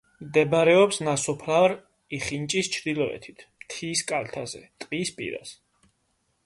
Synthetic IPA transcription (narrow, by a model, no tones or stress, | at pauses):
md̪ɛbaɾɛɔpsnasɔpʰlaɾ | iχint͡ʃʼist͡ʃʰɾd̪ilˠɔɛ̰t̪ʰi̥t̪ʰmt̪ʰiːskʼalt̪ʰazɛ̰t̪ʼqʼispʼḭɾa̰s